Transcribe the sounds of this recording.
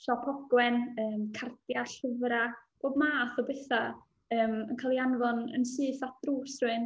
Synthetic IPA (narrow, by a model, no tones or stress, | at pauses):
ɬɔpʰɔɡ̥wɛnəːmkʰard̥jarɬəvɾab̥oːdmaːθɔbɛθa | əːmənkʰalˠianvɔnə̰nsɨːθatd̥ruːsrɨn